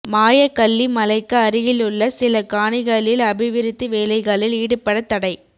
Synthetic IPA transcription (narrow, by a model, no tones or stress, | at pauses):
maːjɐkɐlːimɐlɐɪkːɐɐɾɪjɪlɯɭːɐsɪlɐkaːɳɪɣɐɭɪlɐbɪʋɪɾɪt̪ːɯʋeːlɐɪɣɐɭɪliːɽɯpːɐɽɐt̪ːɐɽɐɪ